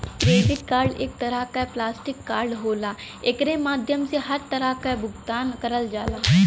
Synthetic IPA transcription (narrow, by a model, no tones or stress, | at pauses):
kɾeːɖɪʈkaːɾɖɪk̚t̪əɾakaplaːsʈɪkːaːɾɖɦoːlaː | ɪkɾemaːd̪ʱjəmseɦɐɾt̪əɾakabʊɡt̪aːnkəɾəld͡ʒaːlaː